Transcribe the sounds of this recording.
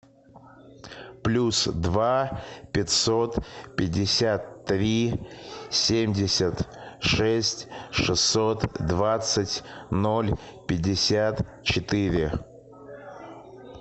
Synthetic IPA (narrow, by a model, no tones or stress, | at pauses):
plʲusd̪vapʲɪt̪ʲsot̪pʲɪdʲːɪsʲat̪ːɾʲi | sʲemʲdʲɪsʲət̪ʂɛsʲtʲʂɨsːot̪d̪vat̪sətʲnolʲpʲɪdʲːɪsʲat̪ | t͡ɕɪt̪ɪɾʲɪ